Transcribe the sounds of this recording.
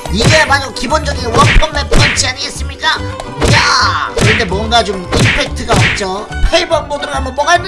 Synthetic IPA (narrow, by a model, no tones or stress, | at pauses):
iɡe̞maɲʌkibond͡ʑʌɡiwʌkpʌŋnanpʰant͡ɕʰiaɲiɡes͈ɯmɲik͈ajakɯɾʌnde̞mwʌŋɡat͡ɕominpʰek̚tʰɯɡamak̚t͡ɕ͈opʰeibʌk̚p͈odɯɾɯnamʌp͈ʌɡan